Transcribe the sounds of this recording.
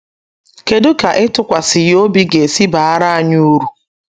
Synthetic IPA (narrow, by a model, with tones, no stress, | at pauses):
ke˨dʊ˦ka˨ʔɪ˦tʊ˨kʷa˨sɪ˨jo˦bi˦ɡe˨si˦ba˨˦a˦ɾa˦a˦˨ɲu˦ɾu˨